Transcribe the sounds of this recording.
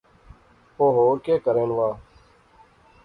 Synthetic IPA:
oːɦoːɾkeːkəɾeːnʋaː

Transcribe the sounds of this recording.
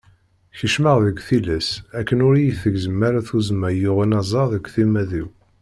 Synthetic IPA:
çəʃməʁðəɡʷθilæsækːənʊɾijiθəɡzəmːaɾæθuzəmːæjʊʁinɑzˤɑðəɡʷθimæðiw

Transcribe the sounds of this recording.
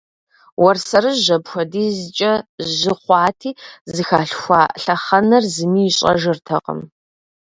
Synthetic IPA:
wɐrsɐɾɨʑɐbxʷɔdiːzɨt͡ʃʼɐʒɨχʷɑːtʰiːzɨxaːɬxʷa̰ːɬɐχɐnɐrzɨmiːjɪɕʼɐ̰ʒɪrtʰɐqʼə̰m

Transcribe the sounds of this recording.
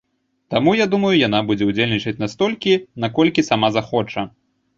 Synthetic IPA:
t̪amujad̪umɐjujan̪abud͡zʲɛud͡zʲelʲnʲit͡ʂɐt͡sʲnast̪ɔlʲkʲinakɔlʲkʲisamazaxɔt͡ʂɐ

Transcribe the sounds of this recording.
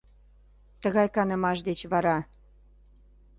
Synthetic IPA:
t̪əɣɑjkɑnəmɑʃ̬d̪et͡ɕβɑɾɑ

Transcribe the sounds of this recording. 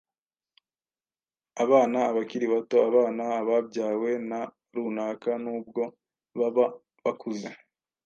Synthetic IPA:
aβaːnaːβakiɾiβato̞aβaːnaːβabɟaːwe̞na | ɾunaːkanuːbɡo̞ | βaβa | βakʰuze

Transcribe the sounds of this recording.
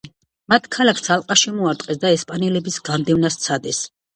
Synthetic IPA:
mat̪ʰkʰalakʰsʰalˠqʼaʃimɔaɾt̪ʼqʼɛsd̪aɛspʼanɛlɛbisɡamd̪ɛvnast̪sʰad̪ɛs

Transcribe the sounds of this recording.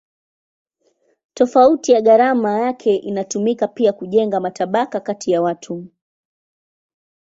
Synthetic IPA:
tɔfautijaɠaɾamajakʰɛʔinatumikapiakuʄɛŋɡamataɓakakatʰijawatʰu

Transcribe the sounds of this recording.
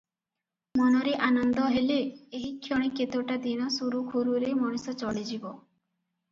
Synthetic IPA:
mɔnɔɾeʔanɔnd̪ɔɦeleeɦikʰːjoɽ̃iket̪ewʈad̪iñɔsuɾukʰuɾuɾemɔɽ̃isɔt͡ʃɔɭid͡ʒibɔ

